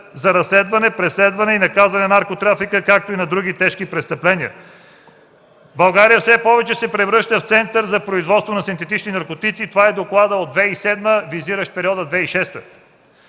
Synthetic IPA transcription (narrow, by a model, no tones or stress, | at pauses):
zɐɾɐslɛd̪vɐnɛpɾɛslɛd̪vɐnɛinɐkazvɐnɛnɐɾkot̪ɾafikəkak̚t̪oinɐd̪ɾuɡ̟it̪ɛʃkipɾɛst̪ɐplɛniə̰ | bɐlˠɡaɾijəfsɛpɔvɛt͡ʃɛsɛpɾɛvɾɤʃt̪əft̪sɛnt̪əɾzɐpɾoizvɔt̪st̪vonɐsint̪ɛt̪it͡ʃninɐɾkot̪it̪sit̪ovaɛd̪oklˠad̪əod̪vɛisɛd̪məviziɾəʃt̪̚pɛɾiɔd̪əd̪vɛiʃɛst̪ə